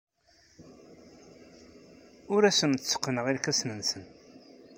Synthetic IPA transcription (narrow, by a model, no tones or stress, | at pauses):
ʊɾæsənt͡sːə̥qːənəʁiɾkæsnənsən